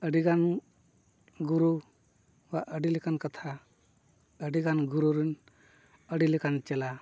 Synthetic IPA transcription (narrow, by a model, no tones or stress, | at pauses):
əɖiɡan | ɡuɾu | waʔəɖilɛkankat̪ʰa | əɖiɡanɡuɾuɾin | əɖilɛkant͡ʃɛla